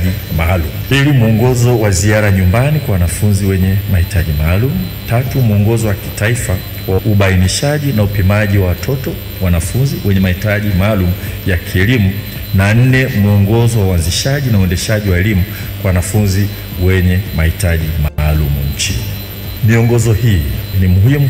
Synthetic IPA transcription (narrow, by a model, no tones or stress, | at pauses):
ʄimalumupilimuɔŋɡɔzɔwaziaɾaɲumbanikwawanafunziwɛɲɛmahitaʄimaːlumu | tatumuɔŋɡɔzɔwaki̥taifa | waʔuɓainiʃaʄinaupimaʄiwawatʰɔtɔ | wanafunziwɛɲɛmahitaʄimaːlumujakʰiɛlimu | nan̩nɛmuɔŋɡɔzɔwauanziʃaʄinauɛndɛʃaʄiwaɛlimu | kwawanafunzi | wɛɲɛmahitaʄimalumṵɲ̩t͡ʃini | miɔŋɡɔzɔhinimuhimu